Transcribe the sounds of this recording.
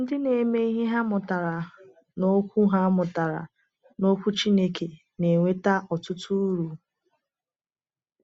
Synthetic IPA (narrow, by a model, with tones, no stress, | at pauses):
n̩˦dɪ˦ne˨me˦i˦ɦɪ˦ɦa˦mʊ˨ta˨ɾa˨ | no˦kʷu˦ɦa˦mʊ˨ta˨ɾa̰˨ | no˦kʷu˦t͡ʃi˦ne˦ke˨ | ne˨ŋʷe˦ta˦ʔɔ˨tʊ˦tu˦ɾu˨